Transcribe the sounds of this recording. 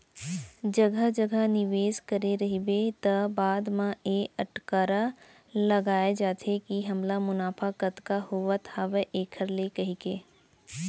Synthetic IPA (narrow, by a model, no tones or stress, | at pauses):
d͡ʒɐɡəɦd͡ʒɐɡənɪʋeːskɐɾeɾɐɦibet̪ɐbaːd̪mãeːɐʈkaːɾa | lɐɡaːed͡ʒaːt̪ʰekiɦɐmlamʊnaːpʰakət̪kahoʋat̪ʰaːʋeʔeːkʰəɾlekɐɦikeː